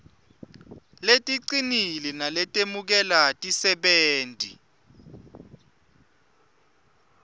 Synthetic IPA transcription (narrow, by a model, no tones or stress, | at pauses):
letʼiǀinilɛnalɛtʼemuk̬ɛlatʼisɛɓeːntʼḭ